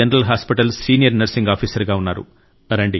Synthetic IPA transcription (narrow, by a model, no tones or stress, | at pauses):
ɐnɐɾɐlɦaːspiʈɐlsiːnijɐɾnɐɾsiŋɡaːpʰiːsɐɾɡaːunːaːɾṵ | ɾɐɳɖi